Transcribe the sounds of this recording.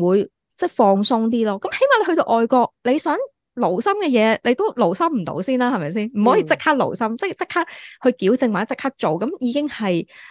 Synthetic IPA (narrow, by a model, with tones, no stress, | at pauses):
wuː˨˧j | t͡sɛː˥˩fɔː˧ŋsʊ˥ŋt̪̬iː˥lɔː˥kɐ˨˥mhe˨˥jmaː˨˩le˧hɵ˧t̪o̰˧wʔɔː˨jkɔː˧k̚le˨˧jsœː˨˥ŋ | lo˨˩wsɐ˥mkɛː˧jɛː˨˧le˨˧jt̪o˥wlo˨˩wsɐ˥mm̩˨˩t̪o̰˧˥wsiː˥˩nlaː˥hɐ˨˩mɐ˨jsiː˥˩nm̩˨˩hɔː˨˥jiː˧t͡sɪ˥k̚haː˥k̚lo̰˨˩wsɐ˥mt͡sɛː˥˩t͡sɪ˥k̚haː˥k̚hɵ˧ɥkiː˨˥wt͡sɪ˧ŋwaː˨˥t͡sɪ˥k̚ha˥k̚t͡so˨wkɐ˨˦mjiː˨˧kɪ˥ŋhɐ˨j